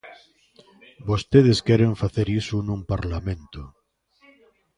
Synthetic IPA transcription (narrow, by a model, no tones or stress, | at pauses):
bost̪eðeskɛɾeɱfaθeɾisunũmpaɾlamẽnt̪o